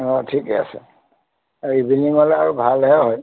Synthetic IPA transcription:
ɔtʰikɛasɛ̰ | ɹibiniŋɔlɛaɹubʱalɦɛɦɔj

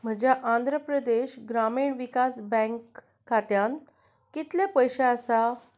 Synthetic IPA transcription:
m̤əd͡ʑjaʔãnd̪ʱɾəpɾəd̪eɕɡɾamiɳʋikasbɛ̃ŋkː | at̪jãn | kit̪lepəjɕaəsa

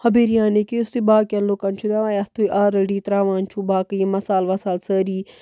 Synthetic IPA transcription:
hɐbeɾijãːnekiʊst̪ibaːkɐlːoːkɐnt͡ʃʰud̪aʋaːjɐst̪ʰuːjʔaːɾəɖiːt̪ɾaːʋãːnt͡ʃʰuːbaːkəjimɐsaːlʋɐsaːlsəːɾiː

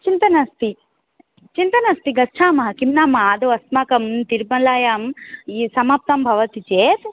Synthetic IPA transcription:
t͡ʃint̪ɐnɐst̪i | t͡ʃint̪ɐnɐst̪iɡɐt͡ʃʰaːmɐɦɐkimnaːmaːd̪oɐsmaːkɐmt̪iɾbɐlaːjaːmisɐmaːp̚t̪ɐmbʱɐʋɐt̪it͡ʃeːt̪

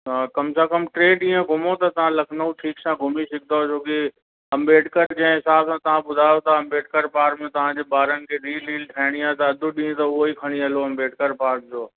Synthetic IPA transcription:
kɐmsakəmʈɾeːɖĩːə̃ɡʱʊmot̪ɐt̪ɐʋ̤ãlɐkʰnəuʈʰiːksãːɡʱʊmisɪk̚ʰd̪at͡ʃʰoːki | ɐ̃mbeːʈkəɾd͡ʑɐ̃ɦɪ̃ɪsaːbsãːt̪ɐʋ̤ãɓʊd̪ʱaːjot̪ɐɐ̃mbeːʈ̚kəɾpaːɾmẽt̪ɐʋ̤ãd͡ʑeːbaːɾənɪ̆kʰeːɗ̪iːliːlʈʰaːɪɽ̃iaːet̪ɐɐd̪ʱuɗĩːẽt̪ɐʊɦoikʰɐɽ̃iɐloɐ̃mbeːʈkəɾpaːɾk̚d͡ʑoː

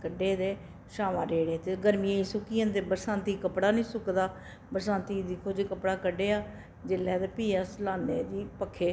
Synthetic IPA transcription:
kəɖeːd̪eː | ʃaːʋãːɾeːɽeːt̪eːɡəɾmijãːiːsʊkiːãːt̪eːbəɾsãːnt̪iːkəpɽaːnĩːsʊkd̪aː | bəɾsãːnt̪iːd̪ɪkʰoːd͡ʒeːkəpɽaːkəɖeːaː | d͡ʒɪlɛːd̪eːpiːaːslaːneːd͡ʒ̪iːpəkʰːeː

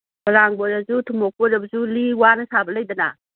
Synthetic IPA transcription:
bɐɾaŋboɾazutʰumok̚boɾɐbɐzuliwanɐsabɐlɐjdɐna

